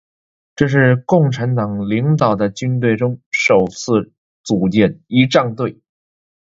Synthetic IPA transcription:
ʈ͡ʂɤ˥˧ʂ̬ɻ̩˥˧kʊ˥˩ŋʈ͡ʂʰa˧˥nt̪ɑ˨˩ŋli˧˥ŋt̪ɑ˨˩ʊd̪ə˦t͡ɕy˥nt̪̬we˥˩ɪʈ͡ʂʊ˥ŋʂo˨˩ʊt͡sʰɹ̩˥˩ | t͡su˨˩t͡ɕjɛ˥˩ni˧˥ʈ͡ʂɑ˥˧ŋt̪we˥˩ɪ

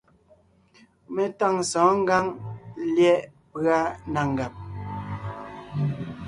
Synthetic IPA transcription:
me˨ta˦ŋsɔ̃ː˨˦ŋ̩˦ɡa˦ŋljɛ˦ʔpɰa˦na˨ŋ̩˨ɡa˨p̚

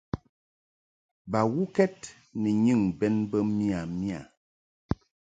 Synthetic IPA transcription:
ba˨wu˦kɛ˦t̚ | ni˨ɲɨ˦˨ŋbɛ˦nbə˦mi˦a˨mi˦a˨

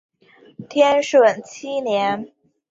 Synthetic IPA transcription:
t̪ʰjɛ˥nʂwə˨˩nt͡ɕʰi˥njɛ˧˥n

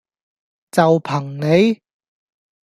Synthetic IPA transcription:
t͡sɐ˨wpʰɐ˨˩ŋne˨˧j

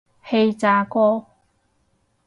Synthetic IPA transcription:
he˧jt͡saː˨˧˥kɔː˥

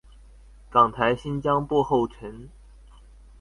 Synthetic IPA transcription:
kɑ˨˩ŋt̪ʰa˧˥ɪɕi˥nt͡ɕjɑ˥ŋpwɔ˥˧xo˥˩ʊʈ͡ʂʰə˧˥n

